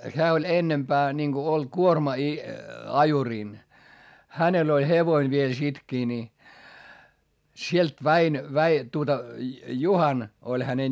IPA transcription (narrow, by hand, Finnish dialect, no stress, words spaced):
hæː olʲ enːempæː ninɡ̊o olʲ kuormɑ i ɑjuriˑn hænel olʲ heʋoin ʋiel sitkiː ni sielt ʋæin ʋæi tuotɑ juhɑn olʲ hæne